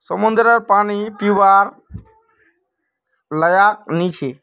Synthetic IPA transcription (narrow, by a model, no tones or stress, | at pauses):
səmʊ̃nd̪ɾəɾpaːñiːpiʋaːɾ | ləjaːk̚nĩt͡ʃʰeː